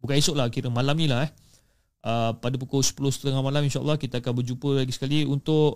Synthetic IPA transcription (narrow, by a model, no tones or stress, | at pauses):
bukãisʊʔlakiɾəmalamnĩlaɦɛh | ʔəpadap̬ukosə̥pulʊst̪əŋamalaminʃaʔə̰lːɑhkit̪aːkanbərd͡ʒupəlaɡisə̥kaliunt̪ʊʔ